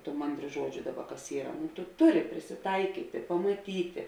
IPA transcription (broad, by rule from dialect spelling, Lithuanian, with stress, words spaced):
tuː ˈmɐnʲdʲˌrʲuː ˈʒuɔd͡ʒʲʊ ˈdɑːˌbɐ kɐs ˈiːrɐ tʊ ˈtʊˌrʲɪ pʲrʲɪsʲɪˈtɐɪˌkʲiːtʲeː pɐmɐˈtʲiːtʲeː